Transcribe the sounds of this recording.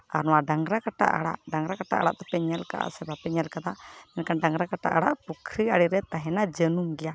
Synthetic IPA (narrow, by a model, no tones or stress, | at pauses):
aɾnɔwaɖaŋɾakaʈa̰ʔa̰ɽa̰ʔɖaŋɾakaʈa̰ʔa̰ɽa̰ʔt̪ɔpɛɲɛlka̰ʔa̰sɛbapɛɲɛlkad̪aʔɛnkanɖaŋɾakaʈa̰ʔaɽa̰ʔpukʰɾiaɽiɾɛt̪aɦɛnad͡ʒənumɡɛja